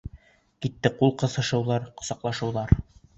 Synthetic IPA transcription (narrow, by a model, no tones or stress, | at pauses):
kit̪ːɘqulˠqɤ̆θɤ̆ʃɤ̆wðˠɑɾqŏsɑqlˠɑʃɤ̆wðˠɑɾ